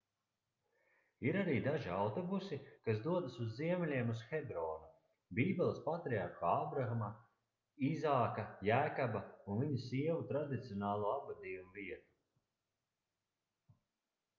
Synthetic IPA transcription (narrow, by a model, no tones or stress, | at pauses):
iɾaɾiːd̪aʒiawt̪ɔbusikasd̪uɔd̪asuzːiɛmɛlʲiɛmusxɛbɾɔːnu | biːbɛlˠspat̪ɾiaɾxaaːbɾaxama | izaːkajæːkabaunviɲusiɛvut̪ɾad̪it̪sijoɔnaːlˠuːabvad̪iːjumuviɛt̪u̥